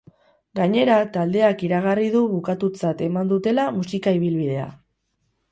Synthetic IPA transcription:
ɡaɲe̞ɾat̪ald̪e̞akiɾaɣ̞arið̞uβukat̪ut͡sat̪e̞mand̪ut̪e̞lamusikaiβ̞ilβið̞e̞a̰

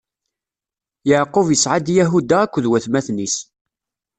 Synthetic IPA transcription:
jəʕqʊvjəsʕad̪jæɦud̪aːkʷːðwæθmæθnis

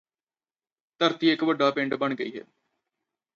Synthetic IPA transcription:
t̪əɾt̪iːekʋəɖaːpɪ̃ɳɖbəɳɡəḭːɦɛ̰ː

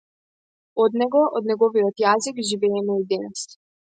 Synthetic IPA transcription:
ɔd̪nɛɡɔʔɔd̪nɛɡɔvijɔt̪jazikʒivɛːmɛid̪ɛnɛs

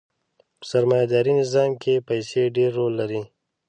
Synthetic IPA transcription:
pə̥saɾmɑjad̪ɑːɾinɪzɑːmkepəjseɖeɾːolːaɾi

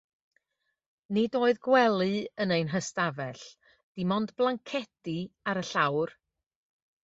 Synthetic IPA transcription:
nɪdoːɨðɡwɛlˠɨənejnɦəstavɛɬ | d̥ɪmɔndblˠaŋkʰɛtiaɾəɬawr

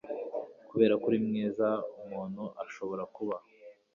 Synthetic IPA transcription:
kuβe̞ːɾakuɾimŋiːzaumuːnhuʔaʃo̞βo̞ɾakuβa

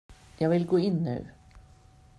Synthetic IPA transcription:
jæʋɪlɡoːɪnːœ̰ʉ

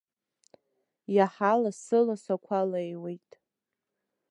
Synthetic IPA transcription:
jaħalasɨlasakʷʰalaewejtʼ

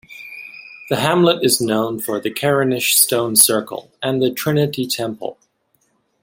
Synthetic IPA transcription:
ðɨɦæ̃mləɾɨznõʊ̃nfə˞ðɨkʰɛɹɨnɨʃstõʊ̃nsɜ˞kə̰l̩ˠɨ̃nðɨtʰɹ̥ɪ̃nɨɾitʰɛ̃mpl̩ˠ

